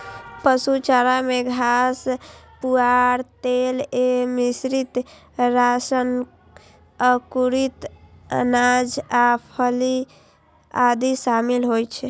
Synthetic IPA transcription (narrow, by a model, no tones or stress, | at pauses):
pəsut͡ʃaɾameɡʱas | puaɾt̪elemisɾit̪ | ɾasən | əkuɾit̪ə̰nad͡ʒapʰəli | ad̪isamilɦojt͡ʃʰɛ